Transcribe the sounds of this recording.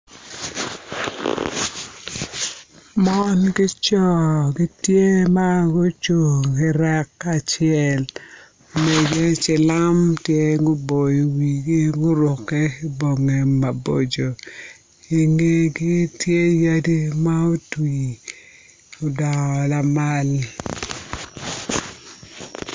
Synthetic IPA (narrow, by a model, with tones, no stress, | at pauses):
mɔ˦nɡɪ˦t͡ʃɔ˦˨ɡɪ˦tje˦ma˦ɡʊ˦t͡ʃo˨ɡɪ˨ɾɛ˦kːa˨t͡ʃɪɛ˦˨l | me˨d͡ʒe˦t͡ʃɪ˨la˦mtje˦ɡʊ˦bo˨ji˨wi˨ɡɪ˦ɡʊ˦ɾʊ˨kɛ˦ɪ˦bo˨ŋe˨ma˨bo̰˨d͡ʒo˨ | i˨ŋe˦ɡɪ˦tje˦ja˦di˦ma˦o˦twi˨ | o˨da˨ŋɔ˨la˨ma˦l